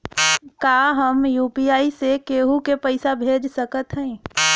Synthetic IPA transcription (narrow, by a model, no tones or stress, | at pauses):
kaːɦəmjuːpiaːisekeːɦukepəɪsabʱeːd͡ʒsəkət̪ɦɛ̃